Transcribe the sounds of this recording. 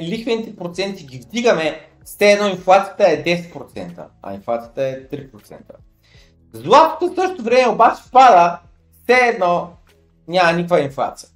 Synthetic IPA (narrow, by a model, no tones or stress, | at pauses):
lixvɛnit̪ɛpɾot̪sɛnt̪iɡʲivd̪iɡəmɛ | fsɛːd̪nɔinflˠat̪sijə̥t̪əɛd̪ɛsɛ̥t̪̚pɾot̪sɛ̰nt̪ə̰ɐ̰inflˠat̪sijə̥t̪əɛt̪ɾipɾot̪sɛ̰nt̪ə | zlˠat̪o̥t̪əsɤʃt̪ot̪ovɾɛmɛobat͡ʃɛ̥fpad̪ə | fsɛːd̪nɔ | nʲamɐnikkvəinflˠa̰t̪sijə